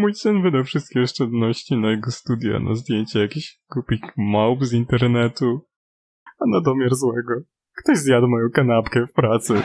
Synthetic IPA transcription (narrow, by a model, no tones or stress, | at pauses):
mujt̪ɨnvɘd̪awfʂɨst̪̚kʲiɔʂt͡ʂɛd̪nɔɕt͡ɕinajɛɡɔst̪ud̪ʲja̰nʔa̰zd̪ʲjeɲt͡ɕɛjakʲiɕkupʲikmawpzint̪ɛɾnɛt̪u | anad̪ɔmʲjɛɾzwɛɡɔ | kt̪ɔʑzjad̪mɔjɔ̃w̃kanapkɛfpɾat̪sɘ